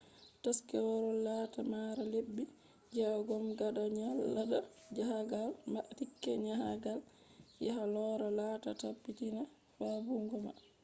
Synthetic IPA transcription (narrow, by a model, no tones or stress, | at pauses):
taskɛwɔɾɔlatamaɾalebːi | d͡ʒɛɡɔmɡadaɲalːaɗa | d͡ʒahaɡalmatikːɛɲaɦaɡal | jɛɦalɔɾalaːta̰tapːitina | fabuŋɡɔma̰